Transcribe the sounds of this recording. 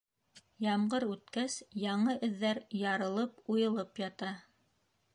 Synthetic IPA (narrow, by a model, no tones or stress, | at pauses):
jɑmɢɤɾʉt̪kæsjɑɴɤʔɵ̆ðːæɾjɑɾɤ̆lˠɤpujɤ̆lˠɤpjɑt̪ɑ